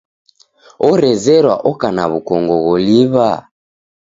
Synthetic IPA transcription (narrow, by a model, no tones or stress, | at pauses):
ɔɾɛzɛɾwa̰ʔɔkana̰βukɔŋɡɔɣɔliβa